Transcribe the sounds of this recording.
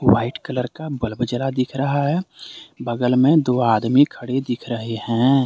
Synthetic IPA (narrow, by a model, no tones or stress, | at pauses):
waːɪʈkələɾkabəlbd͡ʒəlad̪ɪkʰɾɐɦaɦɛbəɡəlmẽd̪oːaːd̪mikʰəɽed̪ɪkʰɾəɦehɛ̃